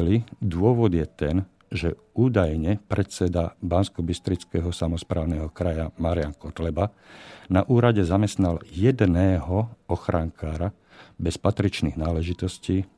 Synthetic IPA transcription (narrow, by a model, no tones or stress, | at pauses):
lid̪ʊɔʋɔd̪jɛt̪ɛn | ʒɛ | uːd̪ajɲɛpɾʔɛt̪t͡sɛd̪abanskɔbist̪ɾit͡skɛɦɔsamɔspɾaːʊnɛɦɔkɾajamaɾiaŋkɔt̪lɛba | naʔuːɾaɟɛzamɛst̪naljɛd̪nɛːɦɔɔxɾaŋkʰaːɾa | bɛspat̪ɾit͡ʃniɣnaːlɛʒit̪ɔsciː